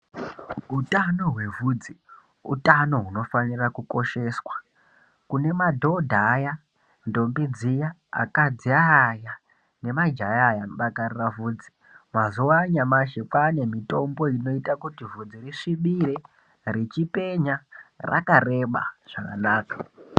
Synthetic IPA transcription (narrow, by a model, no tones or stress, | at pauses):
utano̞ɦwe̞vuːd͡zi | ṵtano̞ɦuno̞fanirakuko̞ʃe̞swa | kune̞madʱo̞dʱaja | ndo̞mbid͡zijaa̰kad͡ziaːja | ne̞mad͡ʒajaːjanoɓakariravuːd͡zi̥ | mazuwaɲamaʃepwane̞mito̞mbo̞ino̞itakutivud͡ziriʂiɓiɾe̞ | rit͡ʃipe̞ɲara̰kare̞ɓa̰ʐ̥akanaːkḁ